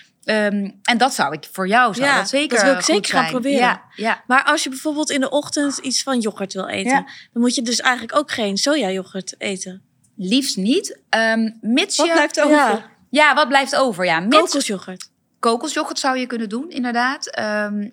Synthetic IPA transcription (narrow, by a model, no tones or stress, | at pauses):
əmɛndɑtsʌwɪkfʊːɹjɔwsjasejkʋɪlɪkssejkəɹχaprobɪːɾəjamaːɹʔɑlˠsjəbɛjv̥oːɹbɪːlˠtɪndəʔɔχtəntisfɑnjɔkəɹtʋɪlˠḛjənd̥ɑnmutjədɵsɛjχənləkowkχejnsoːjaːjɔkəɹtejtən | lifsnitəmmɪtslɛjftoa | jaʋɑd̚blɛjftowvəɹjamowklˠsjɔχəɹt | kowklˠsjɔkəɹtsʌwjəkɵnəndunɪ̰ndəɹdaːtəm